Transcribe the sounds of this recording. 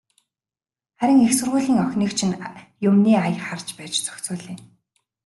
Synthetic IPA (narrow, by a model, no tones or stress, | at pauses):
χæɾʲɪ̆ŋexsɵ̆rʁʊːɮiːŋœxʲniːkt͡ɕʰɪ̆njʊmniːajχart͡ɕpæːt͡ɕt͡sœ̥xt͡suːɮiːŋ